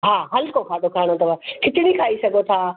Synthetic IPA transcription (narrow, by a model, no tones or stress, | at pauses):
ɦaːɦɐlkokʰaːd̪okʰaːɽ̃ot̪ɐʋakʰɪt̪ɪɽ̃ikʰaːisɐɡʱot̪ʰaː